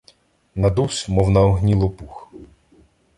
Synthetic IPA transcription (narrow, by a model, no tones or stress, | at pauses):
nɐd̪usmɔwnɐɔɦnʲilˠɔpux